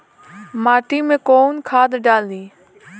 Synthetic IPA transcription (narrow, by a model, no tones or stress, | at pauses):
maːʈiːmẽːkoːnkʰaːd̪ɖaːld̪iː